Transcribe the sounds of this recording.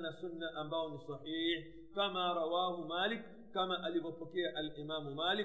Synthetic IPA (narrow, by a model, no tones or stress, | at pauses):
nasunːaʔambaɔnisˤɑħiːħ | kamaːɾˤɑwaːhumaːlikː | amaʔalivɔpɔkɛaʔalʔimaːmumaːli